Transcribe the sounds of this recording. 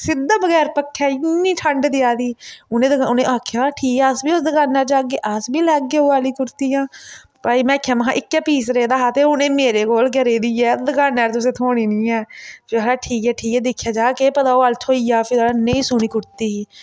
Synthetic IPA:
sɪd̪ːãːbəɣɛːɾpəkʰːaːɪnːiːʈʰəɳɖd̪ɪjaːd̪iːʊnẽːd̪əʊnẽːʔaːkʰjaːʈʰiːkɛːəsbiːʊsd̪əɡaːnɛːɾd͡ʒaːkeːʔəsbiːlɛːɡeːoːaːliːkʊɾt̪iːjãː | paːiːmɛ̃ːkʰːjãːməɦã̰ːʔɪkːɛːpiːsɾeːd̪aːɦaːt̪eːʊnẽːmeːɾeːkoːlkəɾeːd̪iːɛːd̪əɡaːnːɛːɾt̪ʊs̬ẽːt̪ʰoːɽiːnĩːɛːfɪɾaːʈʰiːkɛːʈʰiːkɛːd̪ekʰːjaːd͡ʒaːkeːpət̪aːoːalt̪ʰoːiːjaːpʰɪdɽaːnəĩːsʊñiːkʊɾt̪iːiː

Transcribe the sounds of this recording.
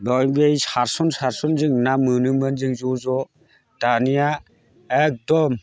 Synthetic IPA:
lɔjbejsaɾsɔnsaɾsɔnzɯŋnamɯnɯmanzɯŋzɔzɔ | d̥anija | ek̚dɔm

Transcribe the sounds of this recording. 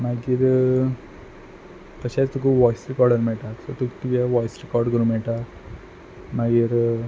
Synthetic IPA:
maɡiːɾ | t̪əɕat͡st̪ukʰuːbʋɔjsɾekɔɾɖəɾmɛɭʈasɔt̪ukt̪ukaʋɔjsɾekɔɾɖkəɾumɛɭʈa | maɡiːɾ

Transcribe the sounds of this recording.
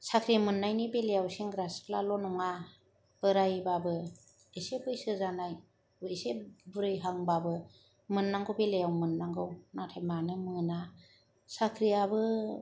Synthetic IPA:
sakʰɾijamɯnːajnibelejawseŋɡɾaspʰlalɔnɔŋa | b̥ɯɾajbabɯ | esepbɯjsɯzanaj | isebuɾɯjɦaŋbabɯ | mɯnːaŋɡɯwbelejawmɯnːaŋɡɯwnatʰajmanɯmɯna | sakʰɾijabɯ

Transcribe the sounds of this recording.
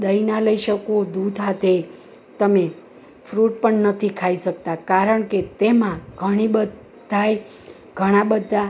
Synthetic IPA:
d̪əinaləiʃəkod̪ud̪ʱɦat̪e | t̪əme | fʰɾuʈ̚pəɳnət̪ʰikʰaiʃək̚t̪akaɾəɳket̪emãɡʱəɽ̃ibə | aj | ɡ̥ʱəɽ̃ãbəd̪ʱːa

